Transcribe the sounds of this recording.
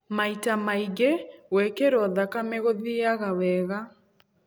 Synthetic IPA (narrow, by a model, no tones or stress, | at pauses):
maitamaiɣewɛkeɾɔðakameɣoðiaɣawɛɣa